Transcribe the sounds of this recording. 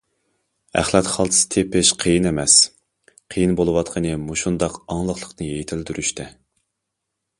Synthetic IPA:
æ̰χlˠɛt̪χɑlˠt̪ʰɨ̥sɨ̥t̪ʰepɪʃqʰijinemɛs | qʰəjinbolˠɨwɑt̪̚qʰənɨmuʃund̪ɑqɑŋlˠəχlˠəqnɨjejt̪ʰɪld̪yɾyʃt̪ʰɛ

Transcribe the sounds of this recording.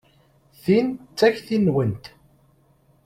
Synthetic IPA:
θint͡sːæçθinːwənt̪

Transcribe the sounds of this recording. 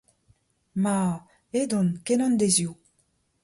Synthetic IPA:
ma | ed̪ɔnkenɔ̃nd̪ezju

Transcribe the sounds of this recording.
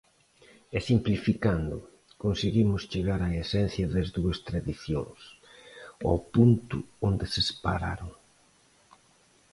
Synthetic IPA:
ɛsimplifikand̪ʊ | konseɣimʊst͡ʃeɣaɾaesɛn̟θjɐðɐzðuɐst̪ɾaðiθjõ̰ŋs | o̰punt̪ʊ̰ond̪esespa̰ɾa̰ɾoŋ

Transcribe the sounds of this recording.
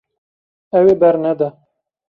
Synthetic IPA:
ɛweːbɛɾnɛd̪ɛ

